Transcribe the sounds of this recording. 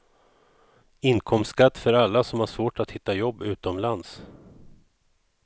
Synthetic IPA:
ɪnkʰɔmskat̪ːfœɾalːasɔmhaʂvoːʈat̪hɪt̪ːajɔbːʉ̟ːt̪ɔmlans

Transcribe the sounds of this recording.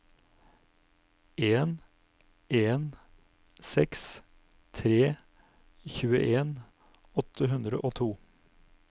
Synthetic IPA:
ʔeːn | eːn | sɛks | t̪ʰɾeː | çʉːə̰ʔeːn | ɔt̪ʰəɦʉnd̪ɾəʔoːt̪ʰuː

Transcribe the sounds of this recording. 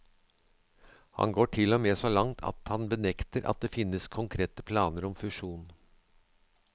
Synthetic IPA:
hɑ̰nɡoːʈʰɪlɔmeːsoːlɑŋt̪ʰɑ̰t̪hɑnbənɛkt̪əɾʔɑ̰t̪̚d̪eːfɪnːəskʰʊŋkʰɾeːt̪əpʰlɑːnəɾɔmfʉʂuːn

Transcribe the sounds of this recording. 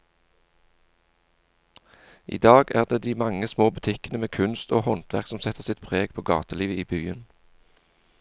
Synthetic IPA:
ʔḭːd̪ɑːɡæːʁd̪eːd̪iːmɑŋəsmoːbʉt̪ʰɪkənəmeːkʰʉnst̪oːhɔnt̪ʰʋæʁksɔmsɛt̪əsɪt̪pʰʁeːɡpʰoːɡɑ̰ːt̪əliːʋəiːbyːən

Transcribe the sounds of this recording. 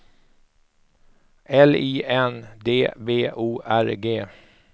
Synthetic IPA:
ʔɛliːʔɛnd̪eːbeːʔuːʔæɾɡeː

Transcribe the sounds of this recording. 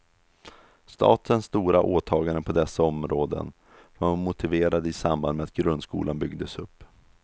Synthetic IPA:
st̪ʰɑ̰ːt̪ənsːt̪uːɾaʔoːt̪ʰɑːɡaɾəpʰɔd̪ɛsːaɔmɾoːd̪ə̰n | vamʊt̪ʰɪveːɾad̪əɪsamband̪mɛat̪̚ɡɾɵnd̪skṵːlanbʏɡd̪əsɵpː

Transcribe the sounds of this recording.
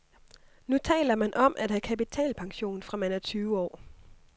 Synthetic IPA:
nut͡sʰɛ̰ːlɐmænʔɒ̽mʔæd̥hækʰæpit͡sʰɛ̰ːlpʰɑ̈ŋɕo̝̰ːnfʁɑ̈mænɐt͡sʰyːʊəɒ̰ː

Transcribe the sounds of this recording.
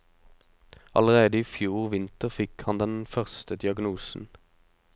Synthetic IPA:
ɑ̰ləʁeːd̪əiːfjuːʁʋɪnt̪əʁfɪkhɑnd̪ɛnfœʁst̪əd̪ɪɑɡnuːsn̩

